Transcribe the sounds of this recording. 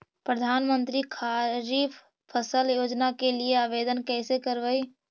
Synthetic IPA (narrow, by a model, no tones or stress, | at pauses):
pɾəd̪ʱaːnmə̃nt̪ɾikʰaːɾiːpʰ | pʰəsəljoːd͡ʒnakelieaːʋeːd̪ənkɛːsekəɾʋəi